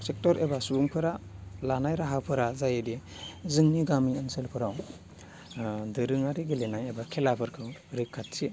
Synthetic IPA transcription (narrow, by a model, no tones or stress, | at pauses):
sek̚tɔɾebasuuŋpʰɯɾalanajɾaɦapʰɯɾazajedizɯŋniɡamiɐnselpʰɯɾaw | dɯɾɯŋaɾiɡilenajebakʰelapʰɯɾkʰɯwɾɯkʰːat̚si